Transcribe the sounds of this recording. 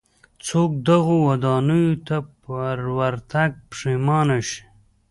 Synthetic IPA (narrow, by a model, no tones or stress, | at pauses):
t͡sok̚d̪aɣowad̪ɑːnujot̪apaɾwaɾt̪aɡ̚pʂimɑːnaʃi̥